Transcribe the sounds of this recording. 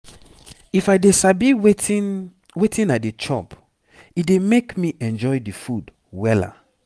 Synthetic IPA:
ifajdesabiw | wetĩnadet͡ʃɔ̰p | idemekmiʔɛ̃nd͡ʒɔjdifud | wɛla̰

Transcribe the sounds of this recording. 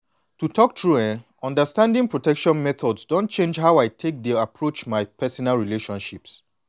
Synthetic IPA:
tutʰɔk̚tʰɹuɛ̃n | ɔ̃ndəstãndĩŋpɹotɛkʃɔ̃nmɛt̪ʰɔdzsdõnt̚t͡ʃẽnd͡ʒɦaʊaɪtʰek̚diapʰɹot͡ʃmaɪpʰɛsɔnalɹileʃɔ̃nʃips

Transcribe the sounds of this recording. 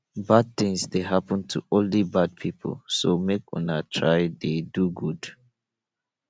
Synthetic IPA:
bad̚θɪ̃ŋsdeɦapə̃ntʰṵɔ̃nlibad̚pʰipʰə̰lsomekɔ̰̃natʰɹaɪdeduɡud̥

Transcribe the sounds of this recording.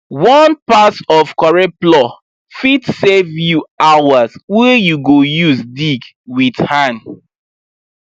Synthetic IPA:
wɔ̃npasɔfkwɔɹɛt̚plɔ | fitsɛvjuawazwɛjuɡojuzdiɡ | widhãn

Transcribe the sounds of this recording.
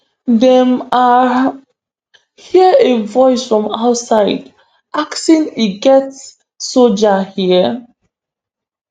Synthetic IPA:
dɛ̃ma | hiəevɔɪsfɹɔ̃maʊtsaɪd | ʔaksĩniɡɛtsː | od͡ʒahiə

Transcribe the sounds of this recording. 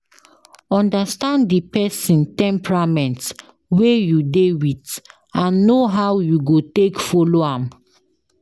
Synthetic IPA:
ɔ̃ndastãnddipɛsĩntɛ̃mpɹamɛ̃nt | wejudewit | ãnːoɦawjuɡotekfɔloãm

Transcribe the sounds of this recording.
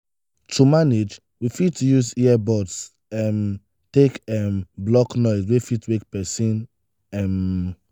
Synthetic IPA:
tʰumaned͡ʒ | wifitjuzɛɛbɔts | ɛm | tekɛmblɔknɔɪswefitwek̚pɛsĩn | ɛm

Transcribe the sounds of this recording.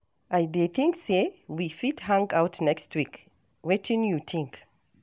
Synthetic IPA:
ʔajdeθĩŋksewifithãŋɡaʊtnɛkstʰwik | wɛtʰĩnjut̪ʰĩŋk

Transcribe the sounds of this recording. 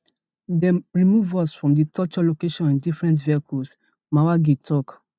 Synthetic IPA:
dɛ̃ɹimuvɔsfɹɔ̃mditʰɔt͡ʃɔlokeʃɔ̃nĩndifɹɛ̃nt̬viakʰus | mawaɡetʰɔk

